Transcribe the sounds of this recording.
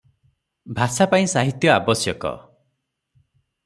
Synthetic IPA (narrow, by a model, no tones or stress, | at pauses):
bʱasapaĩsaɦit̪jɔabɔsjɔkɔ̰